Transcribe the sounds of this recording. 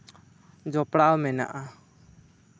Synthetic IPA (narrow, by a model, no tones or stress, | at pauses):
d͡ʒɔpɽawmɛna̰ʔa